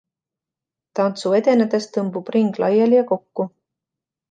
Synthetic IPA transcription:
t̪ɑnt̪sue̞d̪e̞ned̪e̞st̪ɤmbub̥riŋɡ̥lɑjɑljɑko̞kːu

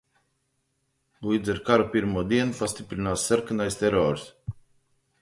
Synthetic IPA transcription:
buid̪zɛɾkaɾopiɾmɔd̪iɛnfast̪ipɾinasːəɾkɨnajst̪ɛɾɔɾs

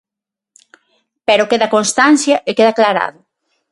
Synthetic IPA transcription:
peɾokeðɐkonst̪anθjaʔekeðaklaɾa̰ðʊ

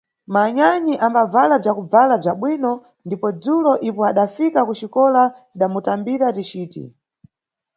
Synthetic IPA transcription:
maɲaɲiʔambavalab͡ʐjakub͡valab͡ʐjaɓwinɔ | ndipɔd͡zulɔʔipɔaɗafikakut͡ʃikɔlatiɗamutambiɾatit͡ʃiːtḭ

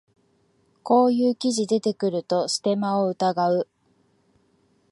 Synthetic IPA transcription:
ko̞ːjɯːkʲiʑid̪e̞t̪e̞kɯ̟ɾɯ̟t̪o̞sɨ̥t̪e̞maoɯ̟t̪aɡaɯ̟

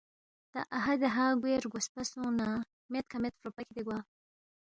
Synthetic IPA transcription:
t̪a̰ʔaɦad̪eɦaɡweɾɡʷospasõna | met̪̚kʰamet̪̚fɾopaked̪eɡwaː

